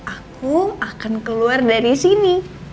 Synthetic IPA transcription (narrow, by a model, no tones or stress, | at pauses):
akuakankəluardaɾisini